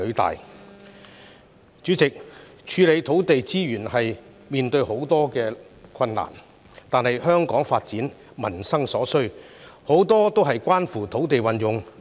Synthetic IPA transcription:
ɵ˨˧˥t̪a̰ː˨j | t͡ʃyː˨˥t͡sɪ˨k̚ | t͡ʃʰyː˨˧le˨˧jt̪ʰo˨˥wt̪e˨jt͡siː˥jyː˨˩nhɐ˨j | miː˨nt̪ɵ˧ɥho˨˥wt̪ɔː˥kɛː˧ | kʰɐ˧nla̰ː˨˩n | t̪aː˨˧nhɐ˨jhœː˥ŋkɔː˨˥ŋfaː˧t̚t͡siː˨˥n | mɐ˨˩nsɐ˥ŋsɔː˨˥sɵ˥ɥho˨˥wt̪ɔː˥t̪o˥wɦɐ˨jkʷaː˥nfuː˨˩t̪ʰo˨˥wt̪e˨jwɐ˨˩njʊ˨ŋ

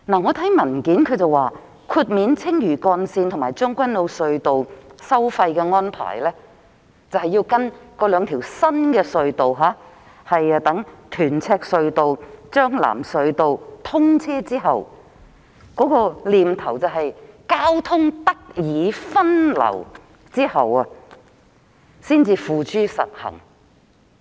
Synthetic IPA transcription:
naː˨˩ŋɔː˨˧t̪ʰɐ˨˥jmɐ˨˩nkiː˨˥nkʰɵ˨˧ɥt͡sɐ˨waː˨ | kʰuː˧t̚miː˨˧nt͡sʰɪ˥ŋjyː˨˩kɔː˧nsiː˧nt̪ʰʊ˨˩maː˨˩jt͡ʃœː˥ŋkʷɐ˥nlo˨˧wsɵ˧ɥt̪o˨wsɐ˥wfɐ˧jkɛː˧ŋɔː˥npʰa̰ː˨˩jlɛː˥ | t͡sɐ˨whɐ˨ji˧wkɐ˥nkɔː˧lœː˨˧ŋt̪ʰiː˨˩wsɐ˥nkɛː˧sɵ˧ɥt̪o˨wɦaː˨˥ | hɐ˨jt̪ɐ˨˥ŋt̪ʰyː˨˩nt͡sʰɛː˧k̚sɵ˧ɥt̪o˨wt͡ʃœː˥ŋla̰ː˨˩msɵ˨˧ɥt̪o˨wt̪ʰʊ˥ŋt͡sʰɛː˥t͡siː˥ɦɐ˨w | kɔː˨˥kɔː˧liː˨mt̪ʰɐ˨˩wt͡sɐ˨wɦɐ˨jkaː˥wt̪ʰʊ˥ŋt̪ɐ˥k̚jiː˨˧fɐ˥nlɐ̰˨˩w | t͡siː˥hɐ˨wɐ˨˧ | siː˥nt͡siː˧fuː˨t͡ʃyː˥sɐ̰˨t̚hɐ̰˨˩ŋ

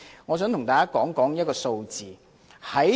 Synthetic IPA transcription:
ŋɔː˨˧s̬œː˨˥ŋt̪ʰʊ˨˩ŋt̪aː˨˧kaː˥kɔː˨˥ŋkɔː˨˥ŋjɐ˥t̚kɔː˧so˧wt͡siː˨ | hɐ˨˥

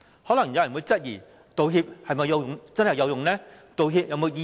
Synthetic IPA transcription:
hɔ˨˥lɐ˨˩ŋː˨˦jmwu˨˥t͡sɐ˥t̚jiː˨˩ | t̪o˨˧wɦi˧p̚hɐ˨˧jmɐ˧ja˧wjʊ˨ŋt͡sɐ˥nhja˨˧wjʊ˨ŋnɛ˦˥ | t̪o˨˧wɦi˧p̚jɐ˧wmo˧wji˧

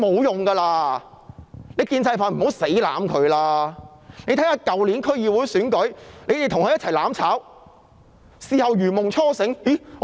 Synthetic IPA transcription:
mo˨˧wjʊ˨ŋɡaː˧laː˧ | le˨˧jkiː˧nsɐ˧jfaː˨˩nm̩˨˩ɦo˨˥wse˨˥jla̰ː˨˥mkʰɵ˨˧ɥlaː˧ | ne˨˧jt̪ʰɐ˨˥haː˧kɐ˨wli˨˥nkʰɵ˥ɥjiː˨wuː˨˥jsyː˨˥nkɵ˨˥ɥle˨˧jt̪e˨tʰʊ˨ŋkʰɵ˧jɐ˥t̚t͡sʰɐ˨˩jlaː˨˥mt͡sʰaː˨˥w | siː˨hɐ˨˧wjyː˨˩mʊ˨˩ŋt͡ʃʰɔː˥sɪ˨˥ŋji˨˥˨

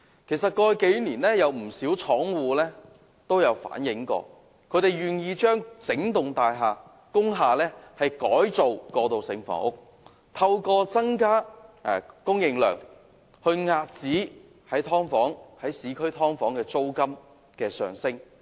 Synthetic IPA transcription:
kʰe˨˩js̬ɐ˨t̚kɔː˧jke˨˥jniː˨˩nlɛː˥jɐ˨˧wm̩˨˩siː˨˥wt͡sʰɔː˨˥ŋwuː˨˧lɛː˥ | t̪o˥wjɐ˨˧wfa̰ː˨˥njɪ˨˥ŋkɔ̰ː˧ | kʰɵ˨˧˥ɾe˨jɥyː˨njiː˧t͡ʃœː˥ŋt͡sɪ˨˥ŋt̪ʊ˨ŋt̪aː˨˧jɦaː˨˧ | kʊ˥ŋɦaː˨lɛː˥hɐ˨jkɔ̰ː˨˥jt͡so˨wkɔː˧t̪o˨wsɪ̰˨˧ŋfɔ̰ː˨˩˥ʊ˥k̚ | t̪ʰɐ˧wkɔː˧t͡sɐ˥ŋkaː˥˨ | kʊ˥ŋjɪ˧ŋlœ̰ː˨˩ŋ | hɵ˧ɥŋaː˧t̚t͡siː˨˥ | hɐ˨˥jt̪ʰɔː˥ŋfɔː˨˥ŋhɐ˨˥jsiː˨˥kʰɵ˥ɥt̪ʰɔː˥ŋfɔː˨˥ŋkɛː˧t͡so˥wkɐ˥m | kɛː˧sœ̰ː˨˩ŋsɪ˥ŋ

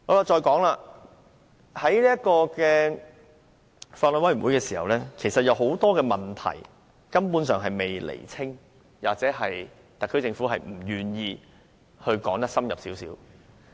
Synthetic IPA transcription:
ɔ˨˧laː˧t͡ʃɔː˧jkɔː˨˥ŋlaː˧ | hɐ˨˥jliː˥ɐ˥kɔː˧kɛː˧ | faː˧t̚lɔ˨˧nwɐ˥jm˩˨˩wuː˨˥jkɛː˧siː˨˩hɐ̰˨wlɛː˥kʰe˨˩jsɐ˨t̚jɐ˨˧wɦo˨˥wt̪ɔː˥kɛː˧mɐ˨nt̪ʰɐ̰˨˩j | kɐ˥mpu˨˥nsœː˨ŋɦɐ˨jme˨jlḛ˨˩jt͡sʰɪ˥ŋ | waː˨k̚t͡sɛː˨˥ɦɐ˨j | t̪ɐ˨k̚ʰːɵ˥ɥt͡sɪ˧ŋfuː˨˥ɦɐ˨jm̩˨˩jyː˨njiː˧ | hɵ˧ɥkɔː˨˥ŋt̪ɐ˥ksɐ˥mjɐ̰˨p̚siː˨˥wsḭː˨˥w

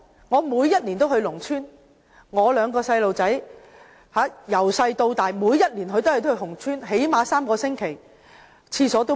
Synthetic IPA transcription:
ŋɔː˨˧muː˨˧jːɐ˥t̚liː˨˩nt̪o˥wɦɵ˧ɥlʊ˨˩ŋt͡ʃʰyː˥n | ŋɔː˨˧lœː˨˧ŋkɔː˧sɐ˧jlo˨wt͡sɐ˨˥j | haː˨˥jɐ˨˩wsɐ˧jt̪o˧wt̪aː˨˩jmuː˨˧jːɐ˥t̚liː˨˩nɦɵ˧t̪o˥˨jt̪o˥hɵ˧hʊ˨˩ŋt͡ʃʰyː˥nɦe˨˥jmaː˨˧saː˥mkɔː˧sɪ˥ŋkʰe˨˩j | t͡sʰiː˧sɔː˨˥t̪o˥

